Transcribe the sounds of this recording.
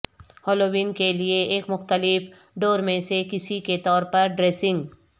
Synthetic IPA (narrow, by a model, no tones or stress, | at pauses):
hɔːloːʋiːnkelieeːkmʊxt̪əlɪf | ɖoːɾmẽsekɪsiket̪ɔːɾpɐɾɖɾeːsɪ̃ŋɡ